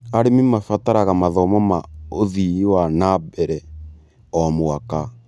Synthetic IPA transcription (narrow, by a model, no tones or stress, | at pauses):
aɾemimafataɾaɣamaðɔmɔmaoðiiwanabɛɾɛ | ɔmoaka